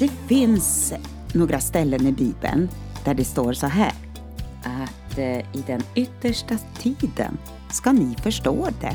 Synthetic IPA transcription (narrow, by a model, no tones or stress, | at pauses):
d̪̥ɛfɪns | noːɡɾʔast̪ɛlːənɪbiːbə̰n | d̪̥æɖɛst̪oːɾsɔɦæ̰ːɾ | ʔat̪ɪd̪ɛnʏt̪ːəʂʈat̪ʰiːd̪ə̰n | skanɪfœʂʈo̰ːd̪ɛ̰